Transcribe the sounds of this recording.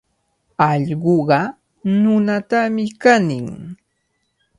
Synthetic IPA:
ɑʎɢoɢɑ | nʊnat̪amɪkanɪŋ

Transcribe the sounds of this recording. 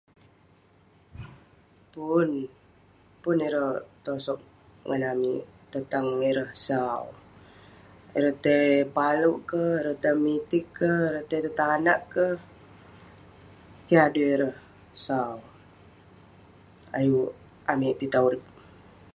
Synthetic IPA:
pun | puniɾəht̪osɔk̚ | ŋanamḭʔt̪ət̪aŋiɾəhsaw | iɾəht̪epaluʔkəiɾəht̪əmit̪ɪkːəhiɾəht̪et̪ut̪anaʔkəh | kiaduiɾəh | saw | a̰ju | amiʔpit̪auɾik̚

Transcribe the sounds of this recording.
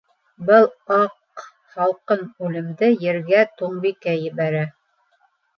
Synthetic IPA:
bɤlˠɑq | χɑlˠqɤnʉlɘ̆md̪ɘjɘ̆ɾɡæt̪uɴbikæjɘ̆βæɾæ

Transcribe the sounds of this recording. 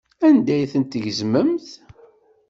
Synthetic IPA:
ænd̪æjθənt̪ʝəzməmθ

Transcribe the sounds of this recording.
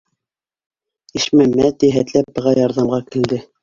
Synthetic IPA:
iʃmæmæt̪iɦæt̪læp̚bɤ̆ʁɑjɑɾðɑmʁɑkɘ̆ld̪ɘ

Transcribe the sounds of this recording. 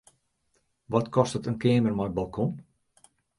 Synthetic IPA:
ʋɔtkɔstətənkeːmərmɔjbalˠkʰɔn

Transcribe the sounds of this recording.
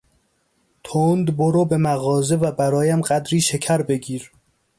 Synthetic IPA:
t̪ʰond̪boɾobe̞mæɣɒːze̞væbæɾɒːjæmɢæd̪ɾiːʃe̞cʰæɾbe̞ɡiːɾ

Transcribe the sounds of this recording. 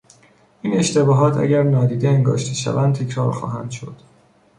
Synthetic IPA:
ʔiːne̞ʃt̪e̞bɒːɦɒːt̪ʰæ̰ɟæɾnɒːd̪iːd̪eeŋɡɒ̰ːʃt̪ʰiʃæ̰vænt̪ʰecʰɾɒːɾxɒ̰ːɦæ̰nd̪ʃo̞̰d̪̥

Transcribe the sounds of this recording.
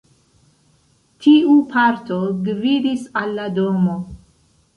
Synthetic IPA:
tʰiupʰaɾtoɡvidisalːadomo

